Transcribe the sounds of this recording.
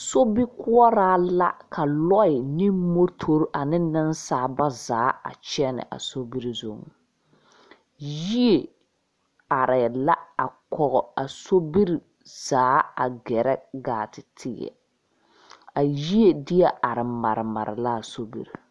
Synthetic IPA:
so˦bi˦kʊ˦ɔ˦ɾaː˦la˦kʰa˨lɔ˦ɪ˨ni˦mo˦tʰo˦ɾʔa˨nɪ˦nɪ˦nsaː˨˦ba˦zaː˨˦a̰˨t͡ʃɛ˦nɪ̰˨ʔa̰˨so˦bi˦ɾi˨zo˦˨ŋ | ji˦e˨ | a˨ɾɪ˨la˦a˨kɔ˨ɣɔ˨a˨so˦bi˦ɾi˨ | z̥aː˨˦a̰˨ɡɛ˨ɾɛ˦ɡaː˨tɪ˨tʰɪ˦jɛ̰˨ | a˨ji˦e˨dɪ˦ɛ˦a˨ɾɪ˨ma̰˨ɾɪ˨ma̰˨ɾɪ̰˨la˦a˨so˦bḭ˦ɾi˨

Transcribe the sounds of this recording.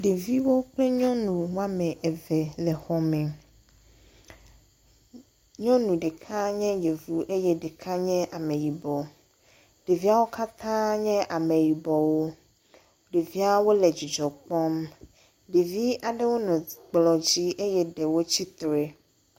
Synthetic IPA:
ɖe˨vi˦wo˦k͡ple˦ɲɔ̃˦nũ˨wa˦mẽ˨ʔɛ˨vɛ˨lɛ˨xɔ˨mɛ˨ | ɲɔ̃˦nũ˨ɖe˨kʰã˦ɲɛ̃˦je˨vu˦ʔe˦jɛ˦ɖe˨kʰã˦ɲɛ̃˦ʔa˨mẽ˨ji˨bɔ˨ | ɖ̥e˨vi˦a˦wo˦ka˦t̪ã˦ɲɛ̃˦ʔa˨mẽ˨ji˨bɔ˨wo˦ | ɖe˨vi˦a˦wo˦le˨d͡ʑi˨d͡ʒɔ˨k͡pɔ˦m | ɖe˨vi˦ʔa˨ɖe˦wo˦nɔ̃˨ɡ͡blɔ˨d͡ʑi˦ʔe˦jɛ˦ɖe˨wo˦t͡ɕi˦t̪ɾe˨

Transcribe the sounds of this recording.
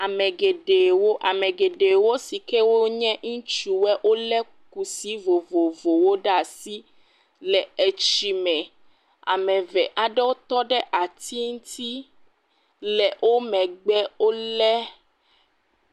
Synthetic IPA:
a˨mɛ̃˨ɡe˨ɖe˨wo˦ʔa˨mɛ̃˨ɡe˨ɖe˨wo˦si˨kɛ˦wo˦ɲɛ̃˦ŋũ˦t͡ʃu˦wɛ˦ʔo˦lɛ˦ | ku˨si˨˦vo˨vo˨vo˨wo˦ɖa˦˨si˦ | lɛ˨e˨t͡ʃi˨mɛ̃˨ | a̰˨mɛ̃˨vɛ˨ʔa˨ɖɛ˦wo˦t̪ɔ˦ɖɛ˦ʔa˨t̪ʰi˦ŋu˦t̪ʰi˦ | lɛ˨wʔo˦mɛ̃˨ɡ͡bɛ˦wo˦lɛ˦

